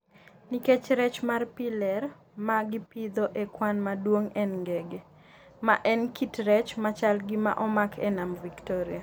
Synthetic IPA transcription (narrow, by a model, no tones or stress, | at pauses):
niket͡ʃɾɛt͡ʃmarpilɛr | maɡipid̪oʔekwanmadwoŋɛnŋɡɛɡe | maʔɛnkitrɛt͡ʃmat͡ʃalɡima̰ʔɔmakʰɛnamviktoɾia